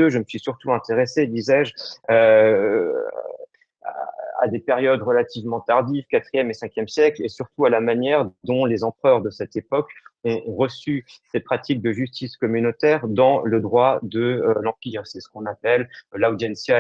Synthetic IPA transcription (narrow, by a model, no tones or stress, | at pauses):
øʒəməsɥisyʁt̪uɛ̃t̪eʁesed̪izɛʒø | a̰a̰d̪epeʁjɔd̪ʁəlat̪ivmɑ̃t̪aʁd̪ivkat̪χijɛmesɛ̃kʲjɛmsjɛklesyʁt̪ualamanjɛʁd̪ɔ̃lezɑ̃pχœʁd̪əsɛt̪epɔkɔ̃ʁəsysepχat̪ik̚d̪əʒyst̪iskɔmynot̪ɛʁd̪ɑ̃ləd̪ʁwad̪əlɑ̃piʁsɛsə̥kɔ̃napɛllawd̪ɛnsja